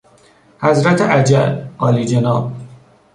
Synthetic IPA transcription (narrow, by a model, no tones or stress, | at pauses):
hæzɾæt̪ʰeʔæd͡ʒæ̰lɒːliːd͡ʒenɒːb̚